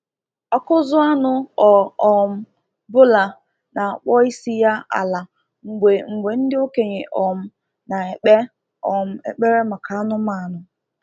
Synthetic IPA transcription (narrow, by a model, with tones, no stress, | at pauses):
ɔ˦kʊ˦zʊ˦a˦nʊ˦ɔ˨ɔ˨m̩˦ | bʊ˦la˨ | na˨a˨k͡pɔ˦i˦si˦ja˦a̰˨la˨ | ŋ̩˨ɡ͡bʷe˨ŋ̩˨ɡ͡bʷe˨n̩˦dɪ˦o˦ke˨ɲe˨ʔɔ˨m̩˦ | na˨e˨k͡pe˦ | ɔ˨m̩˦ḛ˨k͡pe˦ɾe˦ma˨kʰa˨a˦nʊ˦ma˨a˨nʊ˨